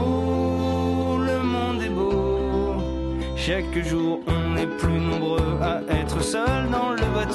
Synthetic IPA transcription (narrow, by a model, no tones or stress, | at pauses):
ləmɔ̃d̪ɛbo | ʃakʒuʁɔ̃nɛplynɔ̃bʁøaʔɛt̪χəsœld̪ɑ̃ləvat̪